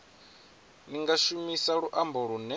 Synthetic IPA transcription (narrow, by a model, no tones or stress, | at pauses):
niŋɡaʃumisaɺuʔambɔɺunɛ